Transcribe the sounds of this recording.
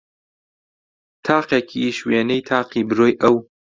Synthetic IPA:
t̪ʰaːqeːkʰiʃweːnejt̪ʰaːqiːbɨɾoːjʔɐw

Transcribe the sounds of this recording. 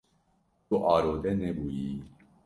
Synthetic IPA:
t̪uʔɑːɾoːd̪ɛnɛbuji

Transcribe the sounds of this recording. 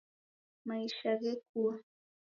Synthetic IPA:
majʃaɢeku

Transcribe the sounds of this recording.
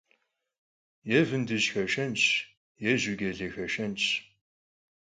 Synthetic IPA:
jɛvɨndɨʑxɐʃɐnt͡ʃʰ | jɛʑɪɡʲɛɮexɐʃɐnt͡ʃʰ

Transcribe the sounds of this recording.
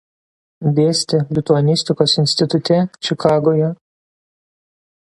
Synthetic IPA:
d̪ʲeːsʲt̪ʲɪlʲɪt̪ʊɐnʲɪsʲt̪ʲɪkoːsɪnʲsʲt̪ʲɪt̪ʊt̪ʲɛt͡ʃʲɪkɑːɡoːjɛ

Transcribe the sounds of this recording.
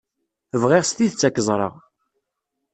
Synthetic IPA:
əvʁeʁst̪iθət͡sːækːəzˤɾˤə̰ʁ

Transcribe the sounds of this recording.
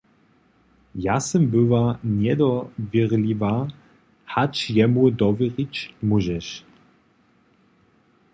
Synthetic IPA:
jasɛmbɘvanʲɛd̪ɔvʲɛʁlʲiva | hat͡ɕjɛmud̪ɔvʲɛʁit͡ɕmuʒɛʃ

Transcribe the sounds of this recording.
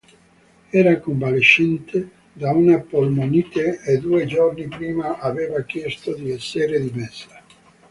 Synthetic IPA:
ɛːɾakoɱvaleʃːɛnt̪e | d̪aunapolmoniːt̪eed̪ued͡ʒornipɾiːmaʔaveːvak̟jɛst̪od̪iɛsːeɾed̪imeɛsḁ

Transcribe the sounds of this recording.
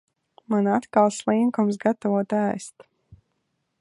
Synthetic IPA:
manat̪kalˠslˠiŋkums̬ɡat̪ɔvɔɔt̪æːst̪

